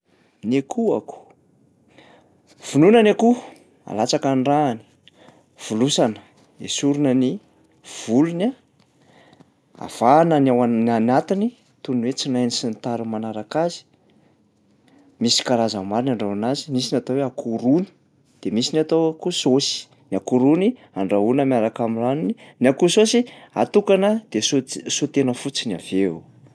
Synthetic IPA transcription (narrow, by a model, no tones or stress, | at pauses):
nekʰua̰ku̥ | v̥ununanaku | a̰lat͡sakanɖ͡ʐaːni̥ | v̥ulusanə̥ | ḛsuɾunəni | v̥uluna | a̰v̥anənawananat̪ini | t̪unwet͡sinajnisint̪aɾumanaɾakazi̥ | misi̥kaɾazamaɾinaɳɖ͡ʐanazimisinat̪oweakʰuɾuni̥ | d̪̥emisinat̪okusosi̥ | niakuɾuni | aɳɖ͡ʐaɦunəmiaɾakamiranininiakusosia̰t̪ukanəd̪̥esosot̪enəfut͡sina̰v̥e